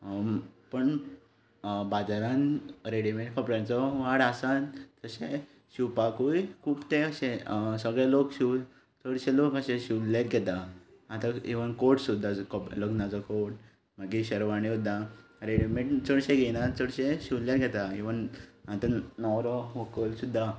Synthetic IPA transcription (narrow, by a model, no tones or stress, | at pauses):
pəɳ | bad͡zaɾãnɾeɽimẽʈfʰəpɾant͡sɔʋaɽasand͡zəɕe | ɕiwpakujkʰuːpt̪eəɕẽsəɡɭalokɕi | t͡səɽɕẽlokəɕẽɕileɾɡʱɛt̪a | at̪aeʋənkoɾʈsud̪ʱːakɔploknad͡zɔkoʈ | maɡiɕəɾʋaɽ̃isud̪ʱːaɾeɽimẽʈt͡səɽɕẽɡʱɛnat͡səɽɕẽɕilljaɾɡʱɛt̪aeʋənat̪anɔwɾɔɦokəlsud̪ʱːa